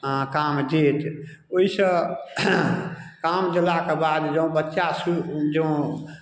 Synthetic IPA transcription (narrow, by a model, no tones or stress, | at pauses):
kamd͡ʒet̪ | oisə̃ | kamd͡ʒəlakebad̪d͡ʒə̃ũbətːʃasud͡ʒəũ